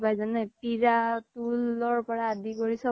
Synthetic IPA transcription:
bajd͡zʌnepiɾat̪ulːʌɾpʌɽaːd̪iɡʌɾisʌ

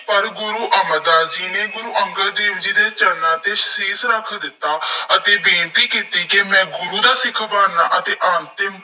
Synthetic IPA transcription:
pəɾɡʊɾuːʔəmət̪aːd͡ʒiːneːɡʊɾuːʔəŋɡəld̪eːʋd͡ʒiːd̪eːt͡ʃənːãːt̪eːsɪːsɾəkʰːd̪ɪt̪ːaːət̪eːbẽːnt̪iːkiːt̪iːkemɛ̃ːɡʊɾuːd̪aːsɪkʰːʋaːnaːʔət̪eːʔaːnt̪eː

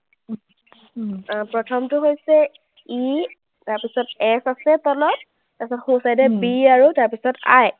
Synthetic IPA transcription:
pɹɔtʰɔmtʊɦojsɛ | i | taɹpisɔtɛsasɛtɔlɔt̚ː | asɔtxũsajdɛbiaɹutaɹpisɔta̰j

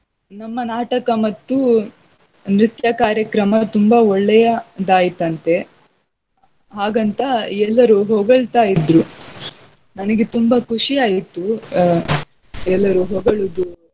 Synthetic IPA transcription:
nɐmːɐnaːʈɐkɐmɐt̪ːu | nɾit̪jɐkaːɾjɐkɾɐmɐt̪umbɐɔɭːɛjɐd̪aːjit̪ɐnt̪e̞ | ɦaːɡɐnt̪ɐɛlːɐɾuɦoːɡɐɭt̪aːjid̪ɾu | nɐnɐɡet̪umbɐkuʂiaːjit̪ːu | ɛlːɐɾuɦoːɡɐɭud̪u

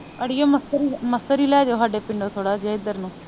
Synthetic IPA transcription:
əɽijoːməsɾiməsəɾiːlɛːd͡ʒoːɦaːɖeːpɪɳɖoːt̪ʰoːɽaːd͡ʒəed̪əɾnũː

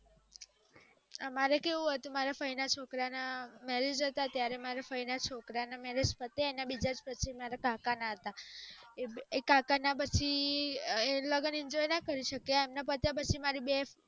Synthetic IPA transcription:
əmaɾekeʋũɦət̪ũmaɾafəjnat͡ʃʰokɾanamɛɾed͡ʒɦət̪at̪jaɾemaɾafəjnat͡ʃʰokɾanamɛɾed͡ʒpət̪ːeenabid͡ʒad͡ʒpət͡ʃʰimaɾakãkanaɦət̪aeekãkanap̬ət͡ʃʰi | eləɡənɪɲd͡ʒɔjnakəɾiʃəkjaemnapət̪jap̬ət͡ʃʰimaɾibe

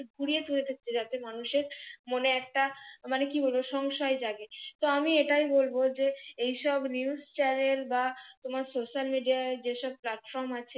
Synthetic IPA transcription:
ɡʱuɽiet̪ulet̪ʰekt͡ɕʰed͡ʑat̪emanuʃeɾmoneɛk̚ʈamanekiboloʃɔŋʃaed͡ʑaɡet̪oamieʈajbolbod͡ʑeejʃɔbniust͡ɕɛnelbat̪omaɾsoʃalmiɖiad͡ʑeʃɔb̚plaʈfɔɾmat͡ɕʰe

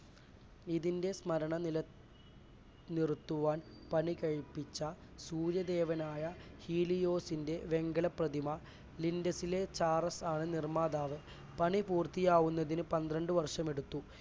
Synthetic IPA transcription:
iðinde̞smɐɾɐɳɐnilɐ | nirt̪ːuʋaːn | pɐɳikɐɻipːit͡ɕːɐsuːɾjɐd̪e̞ːʋɐnaːjɐhiːlijo̞ːsinde̞ʋe̞ŋɡɐɭɐprɐd̪imɐ | lindɐsile̞t͡ɕaːrɐsaːɳɨnirmaːd̪aːʋɨ | pɐɳipuːrt̪ijaːʋunːɐðinɨpɐnd̪rɐɳɖɨʋɐrʂɐme̞ɽut̪ːu

